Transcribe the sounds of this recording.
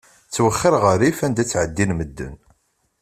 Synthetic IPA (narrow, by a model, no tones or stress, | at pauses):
t͡sːwəχːəɾʁəɾifænd̪æt͡sːʕəd̪ːinməd̪ːə̰n